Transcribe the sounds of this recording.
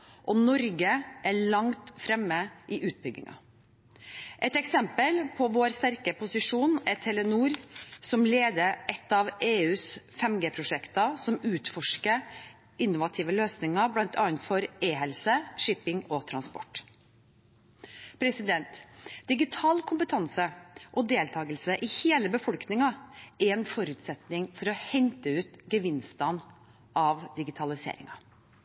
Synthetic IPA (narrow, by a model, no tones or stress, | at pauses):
ʔɔnɔɾɡəʔæɭɑŋt̪fɾɛmːəʔɪʔʉːt̪̚bʏɡɪ̰ŋɑ̰ | ʔɛt̪ɛksɛmpəlpʰɔʋoːɾst̪æɾkəpʊsɪʂuːnɛt̪ʰɛlənuːɾsɔmleːd̪əʔɛt̪ːɑʋeːʉːsfɛmɡeːpʰɾʊʂɛkt̪ɑsɔmʉːt̪fɔʂkə | ʔɪnːʊʋɑt̪ʰiːʋəløːsnɪŋɑblɑnt̪ʰɑːənt̪fɔɾeːɦɛlsəʂɪpɪŋɔt̪ʰɾɑnspɔ̰ʈ | pʰɾɛsɪd̪ɛnt̪d̪ɪɡɪt̪ʰɑːlkʰʊmpət̪ʰɑnsəʔɔd̪eːlt̪ʰɑːɡəlsəʔɪheːləbəfɔlknɪŋɑæɾɛnfɔɾʉːt̪sɛt̪nɪŋfɔɾɔhɛnt̪əʉːt̪ɡəʋɪnst̪ɑn | ʔɑʋd̪ɪɡɪt̪ʰɑlɪsḛːɾɪ̰ŋɑ